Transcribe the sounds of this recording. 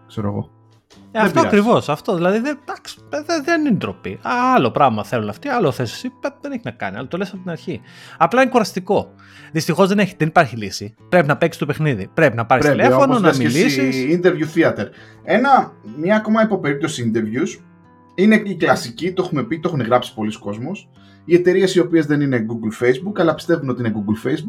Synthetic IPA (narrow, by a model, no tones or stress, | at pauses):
kseɾo̰ɣo̰ | eɐft̪oɐɐkɾivo̞sɐft̪o̞ðilɐðiðed̪ɐksðeðenind̪ɾo̞pḭɐɐlo̞pɾɐvmɐθe̞lunɐft̪iɐloθesi̥sipɐðeneçinɐkɐ̰niɐ̰lɐt̪o̞lesɐpot̪inɐɾçiɐplɐinekuɾɐst̪iko̞ | ðist̪ixo̞zðeneçðenipaɾçilisipɾe̞pinɐpeksi̥t̪o̞pe̞xniðipɾe̞pinɐpɐɾisielefononɐmmilisisind̪eɾvjuθiɐt̪eɾ | e̞nɐmɲɐːko̞mɐipo̞pe̞ɾip̚t̪o̞siind̪e̞ɾvjus | ineiklɐsicit̪o̞xumepit̪o̞xuneɣɾɐpsi̥po̞liso̥ko̞zmo̞s | iet̪e̞ɾie̞sio̞pie̞zðe̞nine̞ɡuɡlfe̞jzbukɐlɐpi̥st̪e̞vuno̞t̪iineɡuɡlfejzbuk